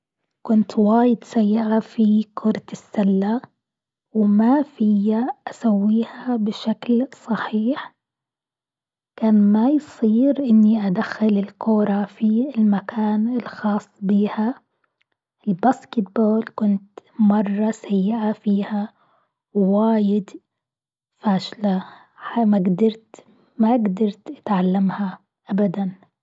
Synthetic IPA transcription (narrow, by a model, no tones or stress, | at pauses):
kʊnt̪waːjɪd̪sajːɪʕafikʰʊɾˤt̪ɪsːalːa | wmafɪjaʔasawːiːhabɪʃaklsˤɑħiːħ | kaːnmajsˤiːɾʔɪnːiʔad̪axːɪlɪlkoːɾˤɑfiɪlmakʰaːnɪlxɑːsˤːbiːha | ʔɪlbaːskɪt̪̚boːlkʊnt̪mɑrˤːɑsajːɪʔafiːha | waːjɪd̪ | faːʃla | amaɡd̪ɑɾˤt̪ | maɡd̪ɑɾˤt̪ʔat̪ʕalːamha | ʔabad̪an